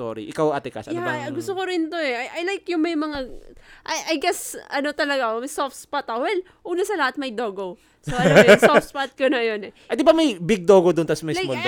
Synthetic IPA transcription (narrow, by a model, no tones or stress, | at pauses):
o̰ɾḭʔɪkawɐt̪ɪkɐ̰sɐjaɐɐɡʊst̪okoɾɪnt̪oɛʔɐjʔajlajkjʊŋmɐjmɐŋaʔajʔɐjɡɛsɐno̞t̪ɐlɐɡamɐjsofspat̪ɐhɛl | ʔuːnɐsɐlɐhat̪̚mɐjd̪o̞ːɡo | soʔɐɐosofspat̪̚konɐjo̞nɛʔɐd̪ɪbamɐjbɪɡ̚d̪oːɡod̪ʊnt̪ɐsmɪlol